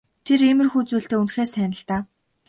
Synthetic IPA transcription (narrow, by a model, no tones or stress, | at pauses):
t̪ʰeɾemɘ̆rxuːt͡suːɬt̪eːunxeːsæːnə̆ɮt̪aː